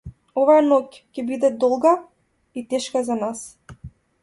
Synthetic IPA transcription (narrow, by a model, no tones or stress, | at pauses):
ɔvajanɔc | cɛbid̪ɛd̪ɔlˠɡa | it̪ɛʃkazanas